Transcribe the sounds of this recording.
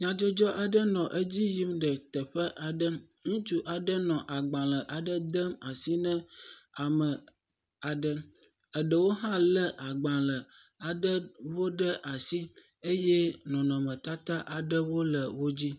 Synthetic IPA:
ɲã˨d͡ʒo˦d͡ʒɔ˦ʔa˨ɖə˦nɔ̃˨ʔə˦d͡ʑi˦ji˦mɖə˨t̪ə˨ɸə˦ʔa˨ɖə˦ | ŋũ˦t͡ʃu˦ʔa˨ɖə˦nɔ̃˨ʔa˨ɡ͡bã˨lə˨ʔa˨ɖə˦d̪ə˦ma˨si˦nə̃˦a˨mə˨ | a˨ɖə˦ | ə˨ɖə˨wo˦ɦã˦lə˦ʔa˨ɡ͡bã˨lə˨ | a˨ɖə˦wo˦ɖə˦ʔa˨si˦ | e˦jɛ˦nɔ̃˨nɔ̃˨mə̃˨t̪a˦t̪a˦ʔa˨ɖə˦wo˦lə˨wo˦d͡ʑi˦

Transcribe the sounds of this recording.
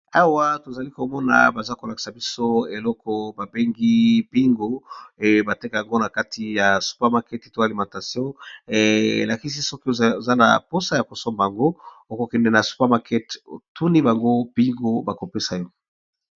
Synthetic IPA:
a˦wa˦to˨za˨li˦ko˨mɔ˦na̰˨ba˨za˦ko˨la˨ki̥˨sa˨bi˦so˦e˨lɔ˦kɔ˦ba˨be˦ŋɡi˦bi˦ŋɡo˦˨ba˨te˦ka˨ja˨ŋɡo˦na˨ka˦tʰi˨ja˨su̥˨˦pa˦ma˨kɛ˦te˨to˦a˨li˨mã˨ta˨sjɔ̃˦e˨ḛ˨la˨ki˦si˦sɔ˦ki˦o˨o˨za˦na̰˨po˦sa˦ja˨ko˨sɔ˦mba˨ŋɡo˦o˦ko˨kɛ˨ndɛ˨na˨su̥˦pa˦ma˨kɛ˦to̰˨tu˦ni˦ba˨ŋɡo˦b̥i˦ŋɡo˦ba˨ko˨pe˦sa˨jɔ˦˨

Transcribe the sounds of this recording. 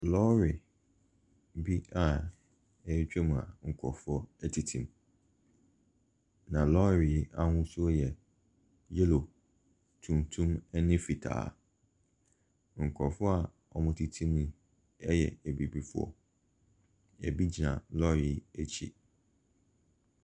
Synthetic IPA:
lɔ˦ɾɪ˨ | bi˦a˨ | ɛ˦t͡ɕᶣɛ˦mũ˨ã̰˨ŋ̩˨kʰɔ̰˨fʊ˦ɔ˦ɛ˦tʰi˨tʰĩ˨m | nã˨lɔ˦ɾi˨˦a˦ŋʊ̃˦su˦ɔ˦jɛ˨ | je˦lo˨ | tʰũ˨mtʰũ˦mɛ˦nɪ̃˦fi˨tʰa̰ː˨ | ŋ̩˨kʰɔ˨fɔ˦a˨ | ɔ˨mʊ̃˦tʰi˨tʰĩ˦nĩ˦ | ɛ˦jɛ̰˨ɛ˨bi˨bi˦fʊ˦ɔ̰˨ | ɛ˨bi˦d͡ʑi˨nã̰˨lɔ˦ɾi˨æ˦t͡ɕʰḭ˦˨

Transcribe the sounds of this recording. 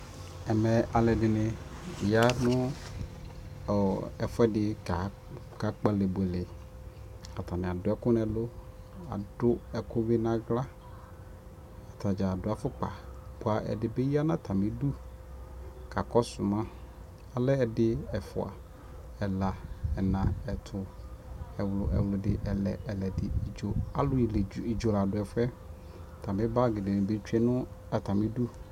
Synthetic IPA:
ɛ˨mɛ˨ʔa˨lɛ˨dɪ˨nɪ̃˨ja˦nʊ̃˦˨ | ɛ˨fʊ˦ɛ˦dɪ˨a˨ | ka˨k͡pa˨le˨bʊ˨ɛ˨lɪ˨ | a˨tʰa˨nɪ̃˨a˨dʊ˨˦ɛ˦kʊ˦n˦ɛ˨lʊ˦ | a̰˨dʊ˦ɛ˨kʊ˦bɪ˦nã˨ɡla˦ | a˨tʰa˨d͡ʒa˨dʊ˨˦a˨fʊ˦k͡pa̰˨pʊ˨˦a˨ʔɛ̰˨dɪ˨be˦ji˦a˦nã˦tʰa˨me˨du˦ | kʰa˨kɔ˦sʊ˨mã˦ | a˨lɛ˦ɛ˨dɪ˦ɛ˨fʊ̰˨a̰˨ | ɛ˨la˨ɛ˨nã˨ɛ˨tʰʊ˨ | ɛ˨wlʊ̰˨ʔɛ̰˨wlʊ˨dɪ˨ʔɛ˨lɛ̰˨ʔɛ˨lɛ˨dɪ˨d͡ʒo˨a˨lʊ˦˨li˨d͡ʒo˨la˨dʊ˨ɛ˨fɛ˦˨ | tʰa˨mɪ̃˦ba˦˨ɡɪ˨dɪ˨nɪ̃˨be˦t͡ʃʰᶣɥɛ˦nʊ̃˦a˨tʰa˨mɪ̃˦du˦

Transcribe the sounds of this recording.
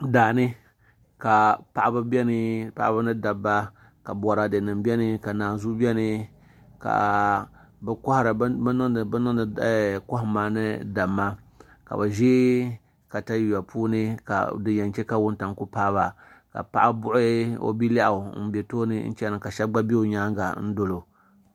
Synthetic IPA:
daː˨nɨ˦ | ka˨pa˨ʔa˦ba˦bɛ˦nɨ˦pa˨ʔa˦ba˦nɨ˦da˨bːa˦ | ka˨bɔ˨ɾa˨dɨ˨nɨ˨mbɛ˦nɨ˦ka˨naː˨zu˦bɛ˦nɨ˦ | ka̰˨ | bɛ˦kʊ˦ha˦ɾa˨˦nɨ˦˨bnɨ˦n˨˦˨kʊ˦hmaː˦nɨ˦da˨mːa˦ | ka̰˨ba˨ʒe˦ | ka˨ta˦ji˨ja˨pʰuː˦nɨ˦ka̰˨dɨ˨ɲɛ˨nt͡ʃɛ˦ka˦wʊ˦n˦ta˨ŋ˦ku˦paː˦ba˨ | ka̰˨pa̰˨ʔa˦bʊ˦ʔʊ˦o̰˦bi˦la˦ʔa˨n̩˦bɛ˨toː˦nɨ̰˦n̩̰˦t͡ʃɛ˦nɨ˨ka˨ʃɛ˦ɡ͡ba˦bi˦o˨ɲaː˦ŋɡa˨n̩˦do˨lo˨

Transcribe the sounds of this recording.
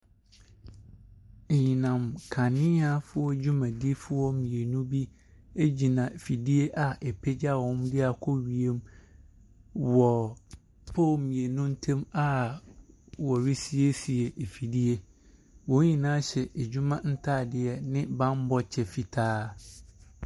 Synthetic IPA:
e˨ɲĩ˨nã˨mkʰã˨nɪ̃˦a˦fʊ˦ɔ˦d͡ʑᶣu˦mã˨di˦fʊ˦wɔ˦mĩ˨e˨nũ˦bi˦ | e˦d͡ʑi˨nã˨fi˨di˦e˦ʔa˨ʔɛ˨pʰe˦d͡ʑa˦˨wɔ̃˦mdɪ˦a˨kʰɔ˦ɥi˨e˦m | wɔ˨ | pʰoː˦˨mĩ˨e˨nũ˦n̩˦tʰɛ̃˦ma˨ | wɔ˨ɾi˦si˦e˦si˨e˨ʔe˨fi˨di˦e˦ | wɔ̃˨˦ĩ˨nãː˦ɕɛ˨ʔe˨d͡ʑᶣu˦mã˦n̩˦tʰaː˦˨dɪ˨ɛ˨nɪ̃˦bã˦m˦bɔ˦t͡ɕʰɛ˨fi˨tʰaː˦

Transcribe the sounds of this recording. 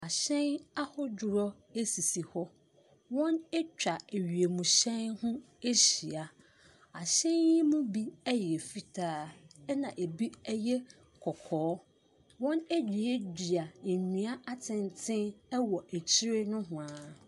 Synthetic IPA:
a˨ɕɛ̃˦na˦hɔ˦d͡ʑʊ˨ɾɔ˦ | e˦si˨si˨hɔ˦ | wɔ̃˦nɛ˦t͡ɕᶣa˨e˨ɥi˨e˨mũ˨ɕɛ̃˦nhʊ̃˦ | e˦ɕi˨a˨ | a˨ɕɛ̃˦ni˦mʊ̃˦bi˦ɛ˦jɛ˨e˨fi˦tʰaː˦ɛ˦nã˨ʔe˨bi˦ɛ˦jɛ˦ | kʰɔ˨kʰɔː˨˦ | wɔ̃˦ne˦d͡ʑᶣi˨e˦di˨a˨ɲĩ˨a˦ʔa˦tʰɪ̃˨ntʰɪ̃˦nɛ˦wɔ˨ʔæ˨t͡ɕʰi˦ɾe˦nʊ̃˦ɦʊ̃˨a˨

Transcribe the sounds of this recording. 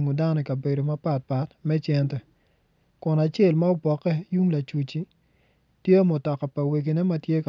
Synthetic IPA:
ŋo˨da˦nɔ˨kɐ˨be˨do˨ma˦pa˨t̚pa˨tmɛ˦t͡ʃɛ˦ntɛ˨ | kʊ˨na˨t͡ʃe˦˨lma˦o˦pɔ˨kːɛ˦ju˦ŋla˨t͡ʃu˨t͡ʃi˦ | tje˦mʊ˨tɔ˨kɔ˨pa˨we˨k̬i˨nɛ˦mɐ˦tje˦ka˨

